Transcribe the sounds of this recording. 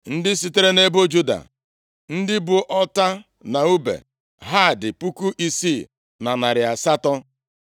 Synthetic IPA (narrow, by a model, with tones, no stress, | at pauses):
n̩˦dɪ˦si˨te˦ɾe˦ne˦bo˦d͡ʒu˦da̰˨ | n̩˦dɪ˦bʊ˨ʔɔ˦ta˦ | na˨u˦bḛ˨ | ɦa˦˨dɪ˨pu˦ku˦ʔi˨si˦˨ | na˨na˨ɾɪ˨a˨sa˦tɔ˦